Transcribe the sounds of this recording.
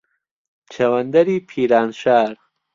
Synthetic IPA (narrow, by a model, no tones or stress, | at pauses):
t͡ʃʰɐwɐnd̪ɐɾiːpʰiːɾaːnʃaːɾ